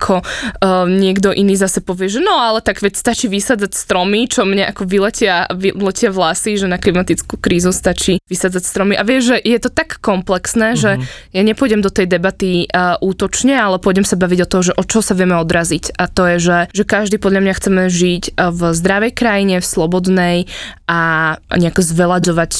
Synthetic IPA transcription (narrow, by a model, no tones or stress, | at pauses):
akʰɔ | ɲɪɛɡd̪ɔʔiniːzasɛpɔʋɪɛʒɛnɔalɛt̪aɡʋɛst̪at͡ʃiːʋisad͡zacst̪ɾɔmit͡ʃɔmɲɛʔakɔʋilɛcɪaʋilɛcɪavlasiʒɛnaklimat̪it͡skukɾiːzust̪at͡ʃiʋisad͡zacst̪ɾɔmiʔaʋɪɛʒʒɛʔjɛt̪ɔt̪akːɔmplɛksnɛːʒɛjaɲɛpɔjɟɛmd̪ɔt̪ɛjd̪ɛbat̪iʔuːt̪ɔt͡ʃɲɛalɛpɔɟɛmsabaʋiɟɔt̪ɔɦɔʒɛʔɔt͡ʃɔɦɔsaʋɪɛmɛɔd̪ɾazicat̪ɔjɛʒɛʒɛkaʒd̪iːpɔd̪ʎamɲaxt͡sɛmɛʒicvzd̪ɾaʋɛjkɾajiɲɛfslˠɔbɔd̪nɛjʔaɲɛakɔzʋɛlad̪ɔʋac